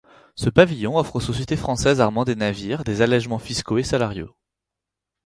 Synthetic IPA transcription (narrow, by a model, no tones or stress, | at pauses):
səpavijɔ̃ɔfχosɔsjet̪efχɑ̃sɛzaʁmɑ̃d̪enaviʁd̪ezalɛʒmɑ̃fiskoesalaʁjo̰